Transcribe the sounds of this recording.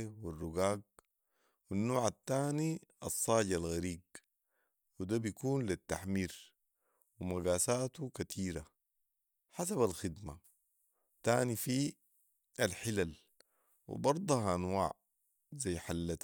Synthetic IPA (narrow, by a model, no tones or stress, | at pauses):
wirːuɡaːɡ̚ | winːoːʕat̪ːaːniɑsˤːɑːɟalɣaɾiːɡ̚ | wid̪abijkuːnlit̪ːaħmiːɾ | wimaɡaːsaːt̪ukat̪ʰiːɾa | ħasabalxid̪ma | t̪aːnifi | ʔalħilal | wḭbɑɾˤd̪ˤɑhʔanwaːʕ | zajːħalːat̪